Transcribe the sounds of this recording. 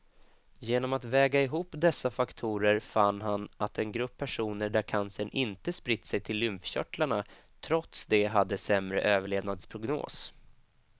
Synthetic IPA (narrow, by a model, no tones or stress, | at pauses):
jeːnɔmat̪vɛːɡaɪɦuːpːd̪ɛsːafakt̪ʰuːɾəɾfanːɦanʔat̪ɛnɡɾɵpʰːæʂuːnəɖæɾkʰansənʔɪnt̪əspɾɪt̪ːsɛjt̪ʰɪlːʏmfɕœ̰ʈlaɳa | t̪ʰɾɔt̪sd̪ɛɦad̪ːəsɛmɾə̰ʔøːvəɭeːd̪nad̪spʰɾʊɡno̰ːs